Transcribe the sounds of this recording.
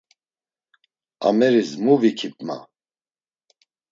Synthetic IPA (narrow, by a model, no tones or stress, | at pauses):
a̰mɛɾizmuvikʰip̪ʼma̰